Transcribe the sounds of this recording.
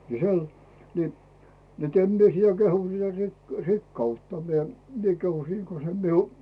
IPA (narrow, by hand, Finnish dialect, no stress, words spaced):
ni sel ni net em mie sĭtæ kehu siæ rik rikːɑutːɑ mie mie kehu siːŋ ko se miu